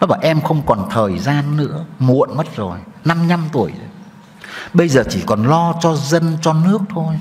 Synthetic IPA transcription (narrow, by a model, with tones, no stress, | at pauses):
ʔɔ˦faː˨˩jʔɛ˧mxə˧wŋ͡mkɔ˨˩nt̪ʰəː˨˩jzaː˧nːɨ̰˧˥əmṵ˧˨ənmə˦˥t̚zo˨˩jna˧mɲa˧mt̪u˨˩əjə˨˦ | ɓə˧jzəː˨˩t͡ɕi˧˩kɔ˨˩nlɔ˧t͡ɕɔ˧zə˧nt͡ɕɔ˧nɨ˦˥ək̚t̪ʰo˧j